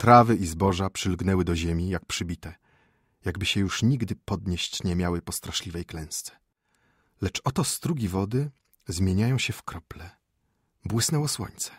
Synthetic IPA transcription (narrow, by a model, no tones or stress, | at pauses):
t̪ɾavɘʔizbɔʐapʂɘlɡnɛwɘd̪ɔʑemʲijak̚pʂɘbʲit̪ɛ | jaɡbɘɕɛjuʂɲiɡd̪ɘpɔd̪ɲeɕt͡ɕɲɛmʲjawɘpɔst̪ɾaʂlʲivɛjklɛ̃w̃st̪sɛ̥ | lɛt͡ʂɔt̪ɔst̪ɾuɡʲivɔd̪ɘ | zmʲjeɲajɔ̃w̃ɕɛfkɾɔplɛ | bwɘsnɛwɔswɔ̰ɲt̪sɛ̥